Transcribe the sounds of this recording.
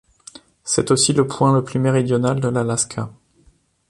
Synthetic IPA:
sɛt̪osiləpʰwɛ̃ləplymeʁid̪jɔnald̪əlalaskʰa

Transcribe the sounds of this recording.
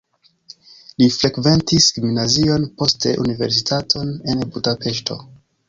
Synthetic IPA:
lifɾe̞kve̞ntiskiminazio̞npo̞stʰe̞̰ʔṵnive̞ɾs̬itʰatʰo̞ne̞nbudape̞ʃtʰo̞̰

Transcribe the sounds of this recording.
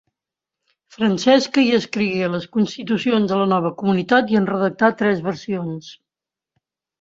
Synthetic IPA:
fɾənsɛskəiəskɾiɣeləskunst̪it̪usionzðələnɔβ̞əkumunit̪at̪iənrəðək̚t̪at̪ɾɛzβəɾsions

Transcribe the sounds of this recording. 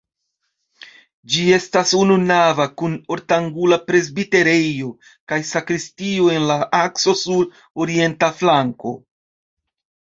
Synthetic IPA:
d͡ʒie̞stasununavakuno̞ɾtaŋɡulapɾe̞zbite̞ɾe̞jo̞ | kajsakɾistioe̞nlaakso̞suɾ | o̞ɾie̞ntaflaŋko̞̰

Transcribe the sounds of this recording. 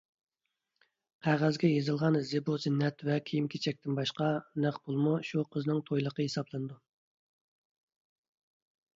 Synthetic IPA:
qʰæʁæzɡʲɛjezɨlˠʁɑnzɨbuzɪnːɛt̪vɛkʲʰijimkʲʰet͡ʃʰɛk̚ʲt̪ɪnbɑʃqɑnæχbolˠmuʃuqʰəznɨŋt̪ʰojlˠəqəesɑblˠɨnɨd̪u

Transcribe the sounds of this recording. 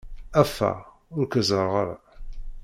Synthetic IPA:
æfːæ̰ | ʊɾkəzəɾˤʁəɾˤ

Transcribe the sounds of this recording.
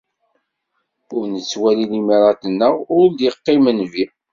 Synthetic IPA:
ʊɾnət͡sːwælilimiɾˤɑt̪ənːəʁʊɾd̪jəqːɪmənvi

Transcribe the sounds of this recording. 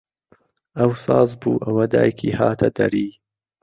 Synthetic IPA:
ʔɐwsɑːzbuːʔɐwɐd̪a̰ːjkʰiːhaːt̪ʰɐd̪ɐ̰ɾiː

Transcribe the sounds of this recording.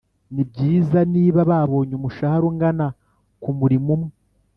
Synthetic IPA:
nib̚ɟiːzaniːβaβaːβo̞ːɲomuʃahaɾoŋɡana | kumuɾimumŋe

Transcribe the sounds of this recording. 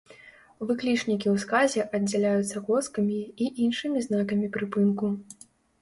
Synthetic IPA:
vɨklʲit͡ʂnʲikʲiwskazʲɛʔɐd͡zʲɛlʲajut̪sːɐkɔskɐmʲiiʔinʂɨmʲiznakɐmʲipɾɨpɨnku

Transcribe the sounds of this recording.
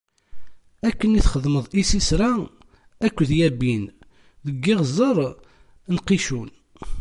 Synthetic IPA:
ækːəniθχəðˤməðˤisisɾæ | ækʷːðjæbin | ðəɡːɪʁzˤəɾˤ | nqiʃun

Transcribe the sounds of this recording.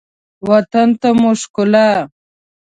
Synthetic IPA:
wat̪ant̪amʊʂkʊla

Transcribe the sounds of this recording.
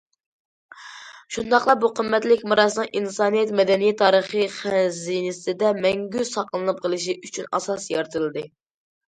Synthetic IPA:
ʃund̪ɑχlˠɑbuqʰəmːɛt̪lɪkʲmɨɾɑsɨnɨŋʔinsɑːnɨjɛt̪mɛd̪ɛnijit̪ʰɑːɾəχɨχɛzinɪsɪd̪ɛmɛŋɡʲysɑqlˠɨnɨp̚qʰəlˠɨʃ̬iʔyt͡ʃʰynɑ̰sɑsjɑɾt̪ʰɨɾlˠɨd̪ɨ

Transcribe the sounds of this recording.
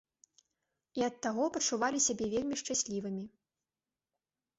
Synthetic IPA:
iɐt̪ːaɣɔpɐt͡ʂuvalʲisʲabʲɛvʲelʲmʲiʂt͡ʂasʲlʲivɨmʲi

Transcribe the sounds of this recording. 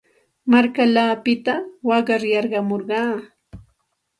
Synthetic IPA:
maɾkalaːpɪt̪awɑɢɑɾjɑɾɢɑmoɾɢɑː

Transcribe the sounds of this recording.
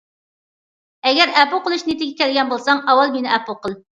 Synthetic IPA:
ɛɡʲɛɾæpuqəlˠuʃnet̪ɪɡʲɛkʲʰælɡʲɛnbolˠsɑŋɑwɑlˠmenɪʔæpoqʰəlˠ

